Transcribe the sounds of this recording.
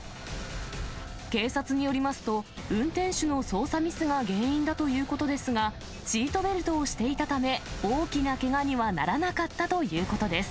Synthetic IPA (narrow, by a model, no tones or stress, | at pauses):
ke̞ːsat͡sɨɲ̟ijo̞ɾʲimasɨ̥t̪o̞ɯ̟̃nt̪ẽ̞ɰ̃ɕɨno̞so̞ːsamʲisɨɡaɡẽ̞ːĩnd̪at̪o̞jɯ̟ːko̞t̪o̞d̪e̞sɨɡa | t͡ɕiːt̪o̞be̞ɾɯ̟t̪o̞ːɕi̥t̪e̞it̪at̪ame̞oːkʲinake̞ɡaɲ̟iβana̰ɾanakat̪ːat̪o̞jɯ̟ːko̞t̪o̞d̪e̞sɨ̥